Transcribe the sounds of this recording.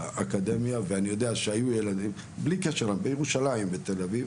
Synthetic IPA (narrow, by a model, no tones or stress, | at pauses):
ʔakad̪e̞mjaveanijo̞d̪eaʃeajujelad̪im | blikeʃeʁlambejeʁuʃalaimbet̪e̞laviv